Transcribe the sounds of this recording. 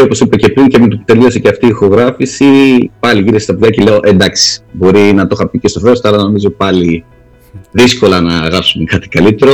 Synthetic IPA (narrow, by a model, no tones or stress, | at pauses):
o̞po̞sipece̞pɾiŋcemet̪ot̪e̞liosiceɐft̪ixo̞ɣɾɐfisipɐliʝiɾest̪ɐpðʝɐcele̞o̞ʔe̞nd̪ɐksi̥bo̞ɾinɐt̪o̞xɐpicest̪ofeost̪oɐlɐno̞mizo̞pɐli | ðisko̞lɐnɐɣɾɐpsumekɐt̪i̥kɐlit̪e̞ɾo̞